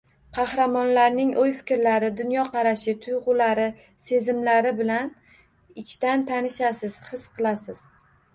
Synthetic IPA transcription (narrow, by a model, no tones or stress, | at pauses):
qʰɑhɾamɒnlaɾnɪŋʔojfɪ̥kʲɾlaɾɪd̪ʊnjɒqʰɑɾaʃɪt̪ʰʊjʁʊlaɾɪ | se̞zɪmlaɾɪbɪlan | ɪt͡ʃʰt̪ant̪ʰanɪʃasɪz̥hɨsqʰɨlˠasɪz̥